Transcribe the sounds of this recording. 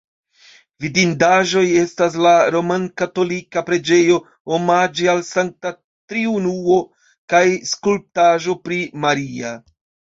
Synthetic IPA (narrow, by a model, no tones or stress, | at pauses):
vidindaʒo̞je̞stas̬laɾo̞mankato̞likapɾe̞d͡ʒe̞jo̞ | omad͡ʒialsaŋk̚ta | tɾiunuo̞ | kajskulp̚taʒo̞pɾimaɾia